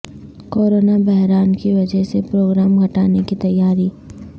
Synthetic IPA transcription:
koːɾoːnabɛɦɾaːnkiʋɐd͡ʒəɦsepɾoːɡɾaːmɡʱɐʈaːnekit̪ɐjːaːɾiː

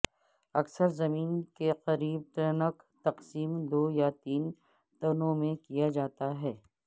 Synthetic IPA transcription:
ɐksəɾzɐmiːnkeqɐɾiːb̚t̪ənək | t̪ɐqsiːmd̪oːjat̪iːn | t̪ɐnõmẽkijad͡ʒaːt̪aɦɛː

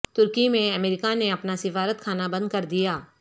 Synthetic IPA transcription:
t̪ʊɾkimẽɐmeːɾɪkaneɐpnasɪfaːɾət̪̚kʰaːnabɐ̃nd̪̚kɐɾd̪ijaː

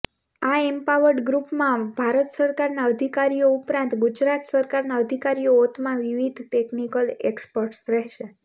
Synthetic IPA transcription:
aempaʋəɾɖɡɾupmãbʱaɾət̪səɾkaɾnaəd̪ʱikaɾijoupɾãnt̪ɡud͡ʒɾat̪səɾkaɾnaəd̪ʱikaɾijoːt̪mãʋiʋid̪ʱt̪eknikəlekspəɾʈsɾɛɦʃe

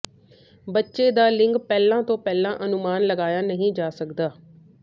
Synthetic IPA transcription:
bətːʃeːd̪aːlɪŋɡpɛːlãːt̪õːpɛːlãːʔənʊmaːnləɡaːjaːnəɦĩːd͡ʒaːsəkd̪aː

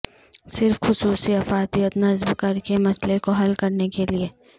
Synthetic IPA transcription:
sɪɾfxʊsuːsiɐfaːt̪ijət̪nɐzbkɐɾkemɐslekoɦɐlkɐɾnekelieː

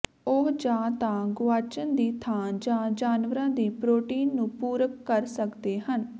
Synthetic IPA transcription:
oɦd͡ʒãːt̪ãːɡʊaːt͡ʃənd̪iːt̪ʰãːd͡ʒãːd͡ʒaːnʋəɾãːd̪iːpɾoːʈiːnːũːpuːɾəkːəɾsəkd̪eːɦən

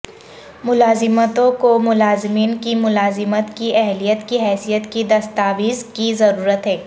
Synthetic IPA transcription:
mʊlaːzɪmət̪õkomʊlaːzɪmiːnkimʊlaːzɪmət̪kiʔɛɦlijət̪kiɦɛːsijət̪kid̪ɐst̪aːʋiːzkizɐɾuːɾət̪ɦɛː

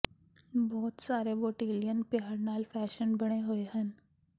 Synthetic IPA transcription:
bɔːt̪saːɾeboːʈeːlijənpaːaɾnaːlfɛːʃənbɐɽ̃eɦʊeɦən

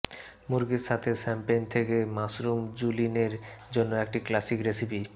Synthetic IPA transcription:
muɾɡiɾʃat̪ʰesɛmpent̪ʰekemasɾumd͡ʑulineɾd͡ʑonːoek̚ʈiklasikɾesipi

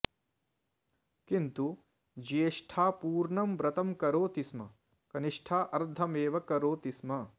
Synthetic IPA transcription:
kint̪u | d͡ʒeːʂʈʰaːpuːɾɳɐmbɾɐt̪ɐmkɐɾoːt̪ismɐ | kɐniʂʈʰaːʔɐɾd̪ʱɐmeːʋɐkɐɾoːt̪ismɐ

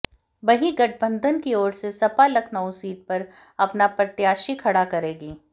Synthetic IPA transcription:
bɐɦiɡɐʈ̚ʰbə̃nd̪ʱənkiɔːɾsesɐpalɐkʰnaːũsiːʈ̚pɐɾ | ɐpnapɾɐt̪jaːʃikʰɐɽakɐɾeːɡiː

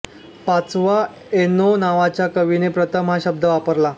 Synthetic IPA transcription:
pat͡sʋa | enonaʋat͡ɕjakəʋinepɾət̪ʰəmɦaɕəb̚d̪ʱəʋapəɾla

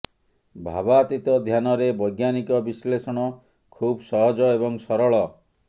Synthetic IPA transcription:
bʱa̰bat̪it̪ɔd̪ʱjanɔɾebɔjɡjanikɔbislesɔɽ̃ɔ | kʰubsɔɦɔd͡ʒɔebɔŋsɔɾɔɭɔ

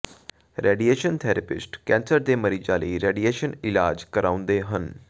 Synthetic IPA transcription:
ɾʔeːɖieːʃənt̪ʰɛːɾəpɪ̰sʈkɛ̃ːnsəɾd̪eːməɾiːd͡ʒaːləiːɾeːɖieːʃənɪlaːd͡ʒkəɾãːʊ̃nd̪eːɦən

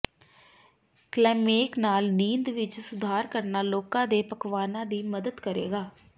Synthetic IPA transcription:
klɛːmeːknaːlniːnd̪ʋɪt͡ʃsʊd̪ʱaːɾkəɾnaːloːkãːd̪eːpəkʋaːnãːd̪iːməd̪əd̪kəɾḛːɡaː

